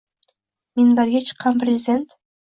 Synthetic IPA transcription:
menbæɾɡʲet͡ʃʰɨ̥qːɑnprʲɪzʲɪd̪ʲent̪

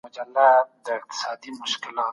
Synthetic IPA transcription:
mʊd͡ʒɐlːad̪əɪq̚t̪ɪ̥saːd̪imʊʃkɪlaː

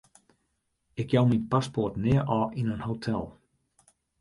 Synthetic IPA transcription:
ɪk̚jawminpaspotnɪəʔɔʔinənhowtʰɛlˠ

